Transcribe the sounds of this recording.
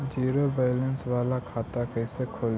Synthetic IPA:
d͡ʒiːɾobaːlə̃nsʋaːlakʰaːt̪akɛːsekʰoːl

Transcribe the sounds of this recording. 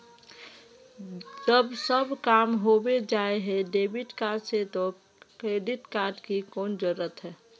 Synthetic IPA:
d͡ʒəbsəbkaːmɦobed͡ʒaeɦɛ̃ɖebiʈkaːɾɖset̪o | kɾeɖiʈkaːɾɖkikoːnd͡ʒəɾət̪ɦɛː

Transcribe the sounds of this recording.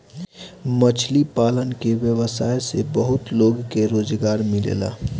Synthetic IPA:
mət͡ʃʰlipaːlənkeʋjəʋəsaːjsebəɦʊt̪loːɡkeɾoːd͡ʒɡaːɾmɪlḛːla̰ː

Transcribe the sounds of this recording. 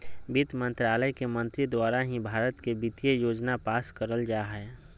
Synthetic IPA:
bit̪mə̃nt̪ɾaːləjkemə̃nt̪ɾid̪waːɾaɦĩbʱaːɾət̪kebit̪ijejoːd͡ʒnapaːskəɾəld͡ʒaːɦɛː

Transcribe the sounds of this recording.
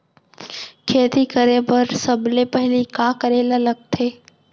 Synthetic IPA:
kʰeːt̪ikəɾẽpəɾsəblepɛɦlikaːkəɾeːlaləɡ̚t̪ʰeː

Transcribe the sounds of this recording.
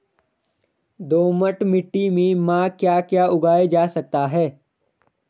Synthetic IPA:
d̪oːməʈmɪʈːimẽmãkjaːkjaːʊɡaːed͡ʒaːsɐk̚t̪aɦɛː

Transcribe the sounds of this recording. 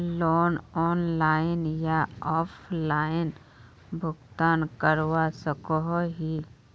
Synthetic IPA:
loːnɔːnlaːɪnjaɔːpʰlaːɪn | bʱʊɡt̪aːnkəɾwasəkoɦoɦi

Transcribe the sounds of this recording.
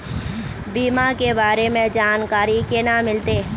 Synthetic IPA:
biːmakebaːɾemẽd͡ʒaːnkaːɾikenamɪlt̪eː

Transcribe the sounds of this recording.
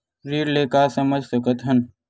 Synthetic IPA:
ɾiːɾleːkaːsɐməd͡ʒʱsɐkət̪ɦɐn

